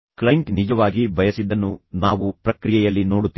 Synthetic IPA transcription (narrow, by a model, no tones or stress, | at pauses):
klɐŋknid͡ʒɐʋaːɡibʱɐjɐsid̪ːɐnːunaːʋupɾɐkɾijɛjɐlːinoːɽut̪ː